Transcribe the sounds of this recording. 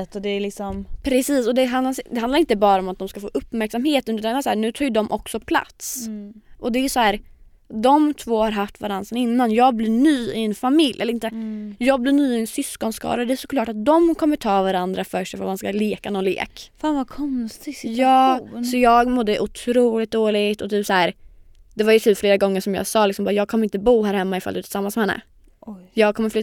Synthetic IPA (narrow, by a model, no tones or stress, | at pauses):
ɛt̪ːɔd̪ɛːlɪksɔmpʰɾɛsiːsɔd̪ɛɦand̪lad̪ɛhand̪aɾɪnt̪əbɑːɾaɔmat̪̚d̪ɔmskafo̰ːʔɵpːmæɾksamheːt̪ənʉ̟t̪ansæːɳʉ̟ːt̪ʰɑːjɵd̪ɔmʔɔksɔpʰla̰t̪sʔɔd̪ɛæjɵsɔhæːɾ | d̪ɔmt̪ʰvoːhaɾɦaft̪vaɾand̪sənɪnːanjɑːɡblɪɳyːɪɛnfamɪljʔɛ̰ləɾɪnt̪əjɑːɡblɪɳyːɪɛnsʏskɔnskʰɑ̰ːlad̪ɛæʂɔ̥kʰlɑːʈat̪̚d̪ɔmkʰɔmːəʈʰɑːvaɾand̪ɾafœʂɛfɾmanskaleːkanɔnlḛːkfaːnvakʰɔnst̪ɪjɑːsɔjɑːɡmɔd̪ːəʔʊt̪ʰɾuːlɪt̪̚d̪oːlɪɡt̪ɔt̪ʰyːpsɔhæːɾ | d̪ɛvaɾjɵt̪ʰyːpfleːɾaɡɔŋːəʂɔmjɑ̰ːɡsɑːlɪksɔmbɑːajɑːɡ̚kʰɔməɾɪnt̪əbuːhæːɾhɛmːaɪfa̰ld̪ɵɛt̪ɪ̥samːansmɛhɛnːə̰ | jɑːɡ̚kʰɔmːəflʏ